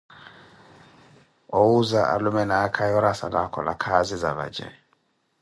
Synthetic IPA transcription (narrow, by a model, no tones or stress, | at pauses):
owuzaʔa̰lumɛnakʰajɔɾasa̰lakʰɔlakʰazizaβa̰̥d͡ʒʱɛ̰